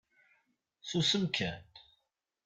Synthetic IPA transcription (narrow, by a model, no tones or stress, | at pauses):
θusəmkʰæn